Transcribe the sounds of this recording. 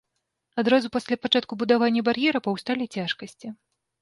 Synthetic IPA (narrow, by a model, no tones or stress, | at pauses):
ad̪ɾazupasʲlʲapat͡ʂat̪̚kubud̪avanʲːɐbarjɛɾɐpɐwst̪alʲit͡sʲaʂkɐsʲt͡sʲi